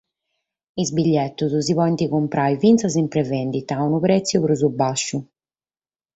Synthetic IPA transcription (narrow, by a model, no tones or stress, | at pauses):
izbiʎːɛt̪ːuzuzivɔjnt̪iɣumpɾʔajvint̪sazimpɾɛvɛnd̪it̪aunupɾɛt̪sːjupɾuzubaʃːu